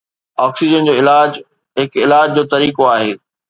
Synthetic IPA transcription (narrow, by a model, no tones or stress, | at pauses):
ɔːksid͡ʑənd͡ʑoːɪlaːd͡ʑ | ɦɪkɪlaːd͡ʑd͡ʑoːt̪ɐɾiːkoaːɦeː